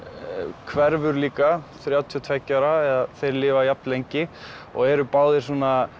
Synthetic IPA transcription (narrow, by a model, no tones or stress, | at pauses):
kʰvɛɾvʏɾliːkaθɾjaːwt̪ʰiʏt̪ʰvɛcːaɾaɛðaθejɾlɪːvajap̚nlejɲcɪ | ɔ̰ɣɛɾʏpaːwðɪ̥sɔːna